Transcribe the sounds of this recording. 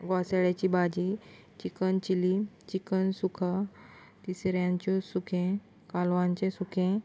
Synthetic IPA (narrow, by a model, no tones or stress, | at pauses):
ɡaseɭjat͡ɕibad͡ʑi | t͡ɕikənt͡ɕilit͡ɕikənsukʰa | t̪isɾjãɲt͡ɕɔsukʰẽ | kalʋãɲt͡ɕẽsukʰẽ